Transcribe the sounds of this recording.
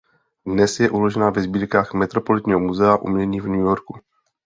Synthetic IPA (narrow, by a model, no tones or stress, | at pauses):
dnɛsjɛʔulo̞ʒɛnaːvɛzbiːɾkaːxmɛt̪ɾopo̞lɪt̪ɲiːɦomuzɛaʔṵmɲɛɲiːvnujoɾku